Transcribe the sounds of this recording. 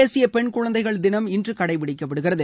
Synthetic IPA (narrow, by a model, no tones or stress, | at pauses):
eːsɪjɐpɛɳkʊɻɐnd̪ɐɪɣɐɭd̪ɪnɐmɪndrɯkɐɽɐɪʋɪɽɪkːɐpːɐɽɯɣɪrɐðɯ